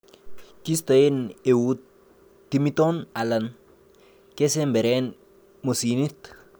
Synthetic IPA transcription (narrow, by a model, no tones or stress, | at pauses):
kist̪aenewut̪ː | imit̪onalan | kesembeɾɛn | mosinit̪